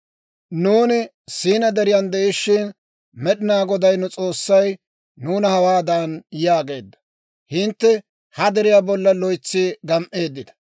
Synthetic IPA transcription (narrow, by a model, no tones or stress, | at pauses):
nuːnɪ | siːnɐd̪ɛɾɪjand̪ɛʔɪʃːɪn | mɛɗɪnaːɡɔd̪ɐjnʊt͡sʼo̞ːsːɐj | nuːnɐhɐwaːd̪aːnjaːɡe̞̰ːd̪ːɐ̥ | hɪnt̪ːɛ | hɐd̪ɛɾɪjaːbɔlːɐlɔjt͡sːiːɡɐmʔe̞ːd̪ːɪd̪ɐ̥